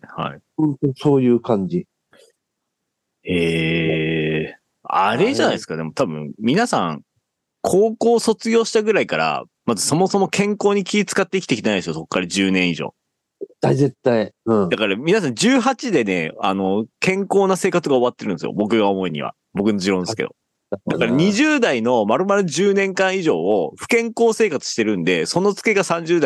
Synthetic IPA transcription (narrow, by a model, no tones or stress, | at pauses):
ha̰ḭhõnt̪oso̞ːjɯ̟ːkãɲ̟d͡ʑi | eː | a̰ɾe̞zʑanaisɨ̥kad̪e̞mo̞t̪abɯ̟̃mmʲinasãŋ | kʰo̞ːko̞ːso̞t͡sɨɡʲo̞ːɕi̥t̪aɡɯ̟ɾaikaɾa̰ | mazɨso̞mo̞so̞mo̞kʰẽ̞ŋko̞ːɲ̟ikʲiit͡sɨ̥kat̪ːeikʲi̥t̪ekʲit̪enaid̪sɨjoso̞kːaɾad͡ʑɨːnẽ̞ɰ̃iʑo̰ː | et̪ːaizet̪ːaĩd̪akaɾamʲinas̬ãɲd͡ʑɨːɦat͡ɕid̪e̞ne̞̰a̰no̞kẽ̞ŋko̞ːnase̞ːkat͡sɨɡaoβat̪ːe̞ɾɯ̟̃nd̪esɨ̰jo̰bo̞kɯ̟ɡaomo̞iɲ̟ḭβ̞a̰ | bo̞kɯ̟no̞ʑiɾõnesɨ̥kḛo̰ | d̪akaɾaaɲ̟iʑɨːd̪aino̞maɾɯ̟maɾɯ̟d͡ʑɨːnẽ̞ŋkãɰ̃iʑo̞̰ːoɸɯ̟̥kẽ̞ŋko̞ːse̞ːkat͡sɨ̥ɕi̥t̪eɾɯ̟̃nd̪e̞so̞no̞t͡sɨ̥ke̞ɡasãɲ̟d͡ʑɨːd̪a